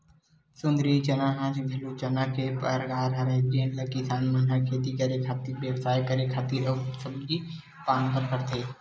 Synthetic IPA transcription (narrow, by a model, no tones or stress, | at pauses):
sʊnd̪ɾit͡ʃənaɦãːt͡ʃɡʱelut͡ʃənakepɐɾɡʱaːɾɦɐɾẽɡinləkisaːnmənɦakʰeːt̪ikəɾekʰaːt̪iɾbeːʋsaːjkəɾekʰaːt̪iːɾəːsəb̚ki | paːnpəɾkəɾt̪eː